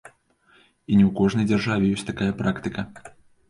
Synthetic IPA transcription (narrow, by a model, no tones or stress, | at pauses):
inʲɛwkɔʐnɐjd͡zʲɐrʐavʲɛjɔsʲt̪akajɐpɾakt̪ɨkɐ